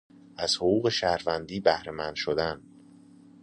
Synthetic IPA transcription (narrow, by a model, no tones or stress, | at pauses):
ʔæz̥hoɣuːɣe̞ʃæhɾvænd̪iːbæhɾemænd̪̥ʃod̪æn